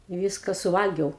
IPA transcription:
ɪ ˈʋʲiːskɐ sʊˈʋɐlʲɡʲɛʊ

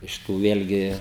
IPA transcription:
ˈɪʃ tuː ˈʋʲeːlʲɡʲɪ

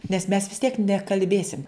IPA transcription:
nʲɛs ˈmʲɛs ʋʲɪs ˈtʲiɛk nʲɛkɐlʲˈbʲeːsʲɪm

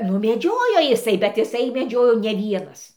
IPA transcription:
nʊ mʲɛˈd͡ʒʲoːjoː jɪˈsɐɪ bʲɛt ɪˈsɐɪ mʲɛˈd͡ʒʲoːjoː nʲɛ ˈʋʲiɛnɐs

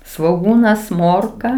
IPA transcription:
sʋoːˈɡuːnɐs ˈmoːrkɐ

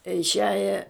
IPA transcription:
ɪʃʲˈæːjɛ

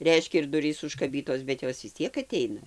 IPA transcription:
ˈrʲɛɪʃʲkʲɛ ɪr ˈdʊrʲiːs ʊʃkɐˈbʲiːtoːs bʲɛt ˈjoːs ʋʲɪs ˈtʲiɛk ɐˈtʲɛɪnɐ

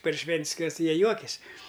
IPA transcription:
pɐr ˈʃʲʋʲɛnʲtʲsʲ kɐs ˈjiɛ ˈjuɔkʲɛsʲ

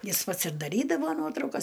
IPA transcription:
ˈjɪs ˈpɐts ɪr dɐˈrʲiːdɐʋoː ˈnuɔtrɐʊkɐs

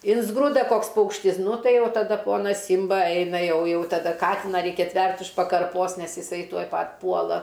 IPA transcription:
ˈɪnzɡrʊdɐ ˈkoːks ˈpɐʊkʃʲtʲɪs ˈnʊ ˈtɐɪ ˈjɛʊ tɐˈdɐ ˈpoːnɐs ˈsʲiːmbɐ ˈɐɪnɐ ˈjɛʊ ˈjɛʊ tɐˈdɐ ˈkɑːtʲɪnɐ ˈrʲɛɪkʲɛ ˈsʲtʲʋʲɛrʲtʲ ʊʃ pɐkɐrˈpoːs ˈnʲɛs ɪˈsɐɪ ˈtuɔj ˈpɐtʲ ˈpuɔlˠɐ

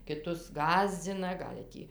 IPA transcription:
kʲɪˈtʊs ˈɡɑːzʲd͡zʲɪnɐ ˈɡɐlʲ tʲiː

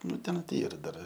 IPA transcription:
ˈnʊ tʲɛn tʲɪ ˈiːrɐ dɐr

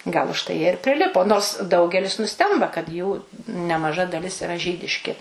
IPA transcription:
ɡɐlˠ ʊʃˈtɐɪ ˈjiɛ ɪr pʲrʲɪˈlʲɪpoː noːrs ˈdɐʊɡʲɛlʲɪs nʊˈsʲtʲɛmbɐ kɐt juː nʲɛmɐˈʒɐ dɐˈlʲɪs ɪˈrɐ ˈʒʲiːdʲɪʃʲkʲɪ

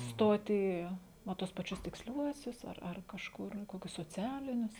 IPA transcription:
ˈstoːt iː ˈnɐ ˈtuɔs pɐˈt͡ʃʲʊs tʲɪksʲˈlʲuɔsʲʊs ɐr ɐr kɐʃˈkʊr ˈkoːkʲʊs soːˈt͡sʲæːlʲɪnʲʊs

